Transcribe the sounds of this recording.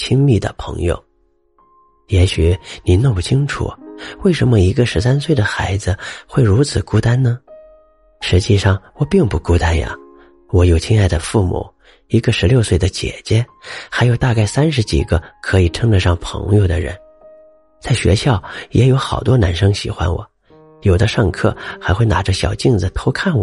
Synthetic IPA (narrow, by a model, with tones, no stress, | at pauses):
t͡ɕʰi˥ŋmi˥˩d̪ə̰˩pʰɤ̰˧˥ŋjo̰˧˩ʊ | jɛ˧˥ɕy˨˩˦ni˧˨˩nə˥˧ŋpu˥˩t͡ɕʰi˥ŋʈ͡ʂʰṵ˨˩we˥˩ɪʂə˧˥nmə˧i˧˥ɡə˥˧ʂɻ̩˧˥sa˥nswe˥˩ɪd̪ə˩xa˧˥ɪd͡zɹ̩˧xwe˥˩ɪɻu˧˥t͡sʰɹ̩˨˩ku˥t̪a˥nnə˨ | ʂɻ̩˧˥t͡ɕi˥˧ʂɑ˥˩ŋwɔ˨˩pi˥˧ŋpu˥˩ku˥t̪a˥njɐ̰˨˩ | wɔ˧˥jo˨˩ʊt͡ɕʰi˥ŋa˥˩ɪd̪ə˩fu˥˩mṵ˨˩˦ | i˧˥ɡə˧ʂɻ̩˧˥ljo˥˧ʊswe˥˩ɪd̪ə˩t͡ɕjɛ̰˨˩t͡ɕjɛ˥xa˧˥ɪjo˨˩ʊt̪a˥˧ka˥˩ɪsa˥nʂ̬ɻ̩˧˥t͡ɕḭ˨˩ɡə˦kʰɤ˧˥i˨˩ʈ͡ʂʰɤ˥ŋʈ͡ʂə˧ʂɑ˥˩ŋpʰɤ̰˧˥ŋjo˧ʊd̪ə˩ɻə̰˧˥n | t͡sa˥˩ɪɕɥɛ̰˧˥ɕjɑ˥˩ʊjɛ˧˥jo˧˥ʊxɑ˨˩ʊt̪wɔ˥na˧˥nʂɤ˥ŋɕḭ˨˩xwa̰˧˥nwɔ̰˨˩˦ | jo˨˩ʊd̪ə˦ʂɑ˥˧ŋkʰɤ̰˥˩xa˧˥ɪxwɪna̰˨˩ʈ͡ʂə˦ɕjɑ˨˩ʊt͡ɕi˥˩ŋd͡zɹ̩˨˩t̪ʰo˧˥ʊkʰa˥˩nwɔ̰˩˦